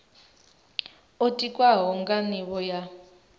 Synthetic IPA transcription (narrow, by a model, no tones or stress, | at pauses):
otʼikʼwaɦɔŋɡaniβɔja